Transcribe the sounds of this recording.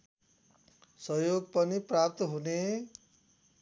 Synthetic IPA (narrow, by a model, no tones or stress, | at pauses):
sʌjoɡpʌniprap̚t̪ʌɦune